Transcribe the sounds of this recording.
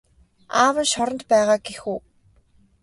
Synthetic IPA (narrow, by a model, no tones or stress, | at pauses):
aːwə̆nʃɔɾə̆nt̪pæːʁaːɡexuː